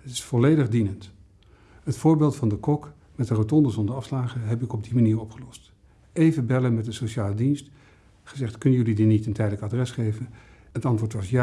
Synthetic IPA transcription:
ətɪ̥sfɔlejdəχdinənt | ɦətfʊːɹbeːlˠtfɑndəkɔk | mɛtdərotɔndəzɔndəɹɑfslaːχəɦɛpɪkɔb̚dimaniːɹɔpχəlɔst | ejvəbɛlənmɛt̚dəsowʃaːlədinst | χəzɛχtkɵnənjɵlidinitəntɛjdələkadrɛsχejvən | ətɑntʋʊːtʋɑsja

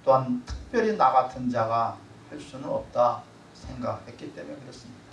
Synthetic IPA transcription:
t͈oɦantʰɯ̥k̚p͈jʌɾinaɡatʰɯnd͡ʑaɡa | heɭs͈unɯnʌp̚t͈a | sʰe̞ŋɡakhe̞t̚k͈it͈e̞mujokɯɾes͈ɯmɲid̥ḁ

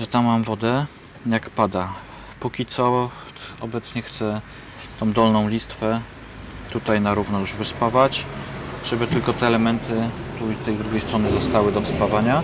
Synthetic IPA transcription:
ʐɛt̪amːamvɔd̪ɛ | jakpad̪a | pukʲit̪sɔ | ɔbɛt̪sɲɛxt̪sɛ | t̪ɔ̃w̃d̪ɔlnɔ̃w̃lʲist̪fɛ | t̪ut̪ajnaɾuvnɔjuʐvɘspavat͡ɕʐ̥ɛbɘt̪ɘlkɔt̪ɛːlɛmɛnt̪ʰɘt̪ust̪ɛjd̪ɾuɡʲejst̪ɾɔnɘzɔst̪awɘd̪ɔfspavaɲa

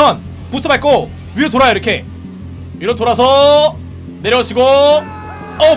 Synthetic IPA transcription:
ʌn | pust͈ʰobaɭk͈o | ɥiet̬oɾajoiɾʌkʰe̞ | iɾʌnt͈oɾas̬ʰʌ | ne̞ɾjʌɕʰiɡo | ʌ

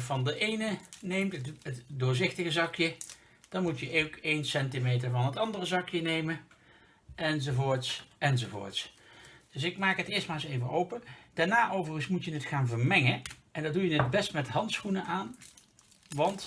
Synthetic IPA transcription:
vɑndəʔejnənejmtətətdʊːɹzɪχtəɣəzɑkjə | d̥ɑnmutjəʔowkejnsɛntimejt̬əɹvɑnɦətɑndərəzɑkjənejmən | ɛnzovoːɹtsɛnzovo̰ːɹtsd̥ɵs̬ɪkmaːkɦətɪːstmaːɹsejvənʔowpəd̥aɹnaːʔowvərɣənsmutjənətχaːnvəɹmɛŋəʔɛndɑdujənət̚bɛstmɛtɦɑntsχunəʔaːn | ʋɑnt

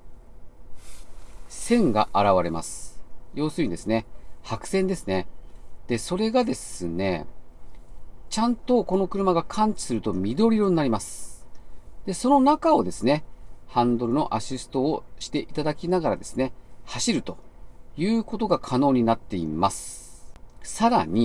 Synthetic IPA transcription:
sẽ̞ŋɡa̰ʔaɾaβaɾe̞ma̰sɨ̥jo̞ːsɨɲ̟id̪e̞sɨne̞hakɯ̟̥sẽ̞nd̪e̞sɨne̞d̪̥e̞so̞ɾe̞ɡad̪e̞sɨne̞ | t͡ɕãnt̪o̞ko̞no̞kɯ̟ɾɯmaɡakʰãɲ̟t͡ɕi̥sɨɾɯ̟t̪o̞mʲid̪o̞ɾʲiɾo̞ɲ̟inaɾʲimasɨ̥ | d̪̥e̞so̞no̞nakao̞d̪e̞sɨne̞hãnd̪o̞ɾɯ̟no̞ʔaɕisɨ̥t̪o̞ːɕi̥t̪e̞ʔit̪ad̪akʲinaɡaɾad̪e̞sɨne̞haɕiɾɯ̟t̪o̞jɯ̟ːko̞t̪o̞ɡakʰano̞ːɲ̟inat̪ːe̞ḭmasɨ̥ | saɾaɲ̟i

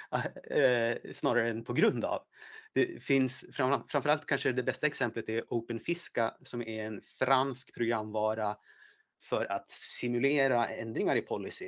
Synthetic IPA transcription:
snɑːɾaɾəɛnpʰɔɡɾɵnd̪a̰v | d̪̥ɛfɪnsfɾafɾamfœɾalt̪̚kʰanʂəd̪ɛbɛst̪aɛksɛmplət̪ɛɾʔəʊpənfɪskasɔmæɾɛnfɾanskpʰɾʊɡɾamːvɑːɾa | fœɾa̰t̪sɪmɵleːɾaɛnd̪ɾɪŋaɾɪpʰɔlːɪsɪ

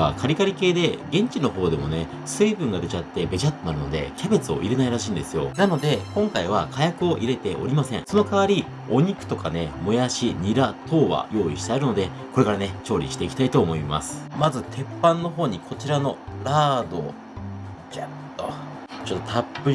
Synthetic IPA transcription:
a̰kʰaɾʲikaɾʲike̞ːd̪e̞ɡẽ̞ɲ̟t͡ɕino̞ɦo̞ːd̪e̞mo̞ne̞ | sɨːbɯ̟̃ŋɡad̪e̞t͡ɕat̪ːe̞be̞ʑat̪ːo̞naɾɯ̟no̞d̪e̞̰kʲʰabe̞t͡sɨo̞̰ʔiɾe̞naiɾaɕĩːnd̪e̞sɨjo̞̰nano̞d̪e̞kõ̞ŋkaiβ̞akʰajakɯ̟o̞ʔiɾe̞t̪e̞ʔo̞̰ɾʲimasẽ̞ŋ̃so̞no̞kaβaɾʲi | o̞ɲ̟ikɯ̟̥t̪o̞kane̞mojaɕiɲ̟iɾat̪ʰo̞ːβa̰jo̞ːiɕi̥t̪aaɾɯ̟no̞d̪e̞ | ko̞ɾe̞kaɾane̞t͡ɕo̞ːɾʲḭɕi̥t̪e̞ikʲi̥t̪ait̪o̞ːmo̞ima̰sɨ̥mazɨt̪ʰe̞pːãnːo̞ɦo̞ːɲ̟ikʰo̞t͡ɕiɾano̞ɾaːd̪o̞ | d͡ʑat̪ːo | t͡ɕo̞t̪ːot̪ʰapːɯ̟

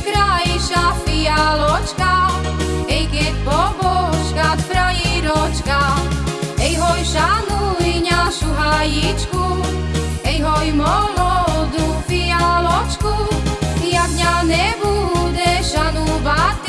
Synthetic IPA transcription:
kɾajiʃafialɔt͡ʃka | ɛjkɛt̪̚ʲpɔbɔʃkat̪pɾajiɾɔt͡ʃka | ɛjɦɔjʃanujɲaʃuɦajit͡ʃku | ɛjɦɔjmɔlɔd̪ufialɔt͡ʃkuiaɡɲanɛbud̪ɛʃanubat̪

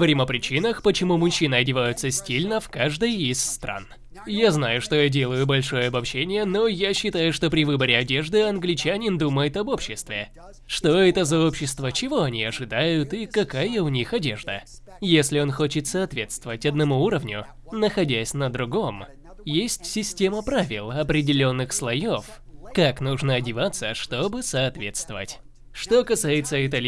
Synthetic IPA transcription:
əvɐɾʲimɐpɾʲɪt͡ɕinəxpət͡ɕɪmumʊɕːinəɐdʲɪvajʊt̪səsʲtʲilʲnəfkaʐd̪əjisːt̪ɾʔa̰n | jaznajʊʂt̪o̞jadʲe̞lˠəjʊbɐlʲʂo̞jəɐbɐpɕːenʲɪjəno̞jaɕːɪt̪ajʊʂt̪o̞pɾʲɪvɨbəɾʲɪɐdʲe̞ʐd̪ɨɐnɡlʲɪt͡ɕanʲɪnd̪uməjɪt̪ɐbo̞pɕːɪst̪vʲɪ | ʂt̪o̞ɛt̪əzɐopɕːɪst̪vət͡ɕɪvo̞ɐnʲiɐʐɨd̪ajʊt̪ikɐkajəʊnʲixɐdʲe̞̰ʐd̪ə | jesʲlʲɪo̞nxo̞t͡ɕɪt̪sɐɐt̪vʲe̞t̪st̪vəvətʲɐd̪nɐmuuɾəvnʲʊ | nəxɐdʲæsʲnəd̪ɾʊɡo̞m | jesʲtʲsʲɪsʲtʲe̞məpɾavʲɪlˠɐpɾʲɪdʲɪlʲo̞nːɨxslˠɐjofkaknuʐnəɐdʲɪvat̪səʂt̪o̞bɨsɐːt̪vʲe̞t̪st̪vəvə̰tʲ | ʂt̪o̞kɐsajɪt̪səɪt̪ɐlʲ

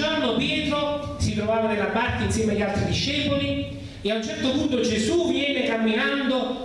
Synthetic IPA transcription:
ornopjɛːt̪ɾo | sit̪ɾovaːvanelːabark̪einsjɛːmeaʎːalt̪ɾid̪iʃːɛːpoli | eaunt͡ʃɛrt̪opunt̪od͡ʒezuvjɛːnekamːinand̪o

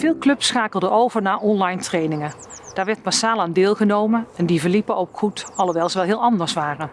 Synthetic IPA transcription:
v̥ɪːlˠklɵpsχaːkəlˠdəʔowvəɹnaːɹʔɔnlɑjntrejnɪŋə | d̥aːɹʋɛɹt̚masaːlˠaːndɪːlˠχənowmənɛndivəɹlipəowkχutɑlˠowʋɛlˠzəʋɛlˠɦɪːlˠɑndəɹsʋaːrə

